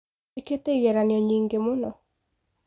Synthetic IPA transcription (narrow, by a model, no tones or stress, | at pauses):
eketeɣɛɾanjɔɲiŋɡemonɔ